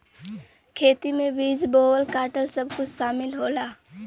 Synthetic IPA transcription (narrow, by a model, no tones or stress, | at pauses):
kʰeːt̪imẽbiːsboːwəlkaːʈəlsɐbkʊt͡ʃʰʃaːmɪlɦoːlaː